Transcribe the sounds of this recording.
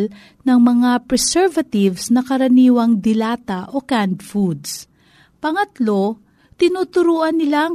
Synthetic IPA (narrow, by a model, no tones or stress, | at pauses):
l | nɐŋmɐŋapɹɛsɛɹvɐt̪ɪvsnɐkɐɾɐniːwɐŋd̪ɪlaːt̪ɐʔo̞kand̪fud̪s | pɐŋɐt̪lo̞ | t̪ɪnuːt̪ʊɾuːʔɐnːɪlaŋ